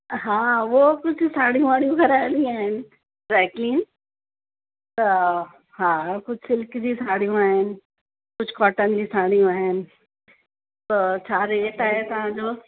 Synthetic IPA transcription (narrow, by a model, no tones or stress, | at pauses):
ɦaːʋoːkʊd͡ʑʱʊsaːɽ̤ijũaːɽijũɡʱɐɾaːɪ̃nd̪iaːɦɪnɪ̆ | ɾɛːkliːn | t̪ɐ | ɦaːkʊd͡ʑʱsɪlkd͡ʑisaːɽijũaːɦɪnɪ̆ | kʊd͡ʑʱkɔːʈənɪd͡ʑiːsaːɽ̤̃ijũaːɦɪnɪ̆ | t̪ot͡ɕʰaːɾeːʈaːɦet̪ɐʋ̤ãd͡ʑoː